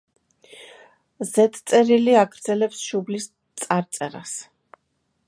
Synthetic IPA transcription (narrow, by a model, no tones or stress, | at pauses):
zɛt̪ʰʼt̪sʼɛɾiliaɡɾd̪zɛlɛpsʃublis | t̪sʼaɾt̪sʼɛɾa̰s